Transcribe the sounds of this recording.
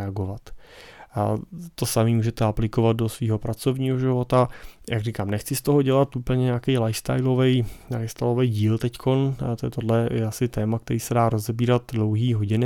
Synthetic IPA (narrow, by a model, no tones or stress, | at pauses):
ɛaɡo̞vat̪ | t̪o̞samiːmuːʒɛt̪ɛaplɪkovat̪̚do̞sviːɦo̞pɾat͡so̞vɲiːɦoʒɪvo̞t̪ajʔakɡriːkaːmnɛxt͡sɪst̪o̞ɦo̞ɟɛlat̪ʔuːpl̩ɲɛɲeakɛjlajfst̪a̰jlovɛjlajfst̪ajlo̞vɛjɟiːlt̪ɛckʰo̞nt̪ojɛt̪odlɛjɛasɪt̪ɛːmak̚t̪ɛɾiːsɛdaːɾo̞zɛbiːɾat̪dlo̞wɦiːɦo̞ɟɪnɪ